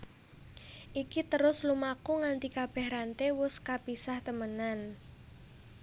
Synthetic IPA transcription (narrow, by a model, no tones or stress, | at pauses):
ʔikit̪əɾʊslumakuŋant̪ikab̥ɛ̤hɾant̪ewʊskapisaht̪əmənan